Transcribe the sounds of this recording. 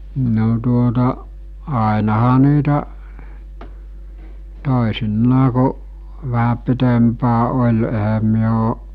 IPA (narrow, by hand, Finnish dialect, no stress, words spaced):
no tuotɑ ɑˑenɑhɑ niːtæ toˑesinːɑː ku ʋæhæ pitempæː olʲ ehæm myø o